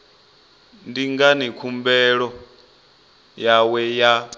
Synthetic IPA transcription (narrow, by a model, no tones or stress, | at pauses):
ndiŋɡanikʰumbɛɺɔ | jawɛja